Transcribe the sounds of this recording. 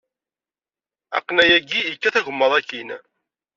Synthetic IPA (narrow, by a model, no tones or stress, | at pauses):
æ̰qːnæjæɡijəkːæθæʝəmːəðˤækːin